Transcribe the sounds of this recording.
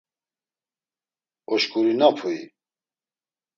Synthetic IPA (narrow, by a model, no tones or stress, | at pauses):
ɔʃkuɾinapʰui